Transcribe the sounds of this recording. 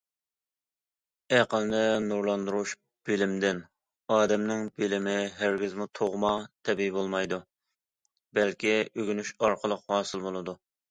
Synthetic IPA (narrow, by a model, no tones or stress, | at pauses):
æqəlˠnɪnuɾlˠɑnd̪uɾuʃ | b̥ɪlɪmd̪ɪn | ɑːd̪ɛmnɪŋbɪlɪmɪɦæɾɡʲɪzmut̪ʰoʁmɑt̪ʰɛbibolˠmɑjd̪u | bɛlkʲiøɡʲynyʃɑɾqʰəlˠəqhɑːsɨlˠbolˠɨd̪u